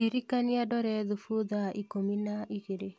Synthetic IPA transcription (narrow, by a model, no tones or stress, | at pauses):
iɾikaniadɔɾɛðufuðaʔikominaiɣeɾe